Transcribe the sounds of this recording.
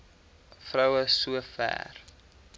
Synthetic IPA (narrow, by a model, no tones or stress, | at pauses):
frœwəsuəfæ̰ːr